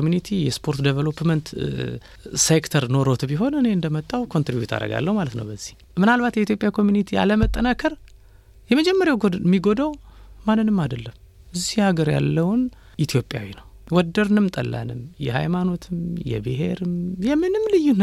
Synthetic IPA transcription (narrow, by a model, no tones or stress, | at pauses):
omjunit̪ʰijɛspʰo̞ɾt̪d̪evəlopmənt̪ | sekt̪ʰəɾno̞ɾot̪biɦo̞nɨne̞ɨnd̪əmət̪ʼːawkʰo̞nt̪ɾibjṵt̪ʰa̰ɾə̰ɡa̰lːəhumalət̪nə̰wbəzːih | mɨnalbat̪jɛit̪jo̞pʼjakʰo̞mjunit̪ʰia̰ləmət̪ʼːənakʰəɾ | jɛməd͡ʒɛmːəɾjawmːiɡo̞d̪awmanːɨnːɨmːad̪əlːəm | ʔɨzihhaɡəɾja̰lːəwn | ʔit̪ʰjo̞pʼja̰winəw | wɔd̪əɾnɨmt̪ʼə̰lːʔa̰nɨmjɛha̰jmano̞t̪ʰɨmjɛ̰bɨɦe̞̰ɾɨmjɛmɨnɨmlɨjːun